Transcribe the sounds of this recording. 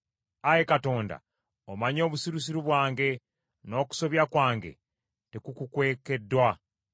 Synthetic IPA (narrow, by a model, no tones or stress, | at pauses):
aje̞kato̞ːnda̰ | omaɲo̞ːβusiɾus̬iɾuβwaːŋɡe̞ | no̞ːku̥so̞βjakwaːŋɡe̞̰ | tekukukwe̞ːke̞dːwa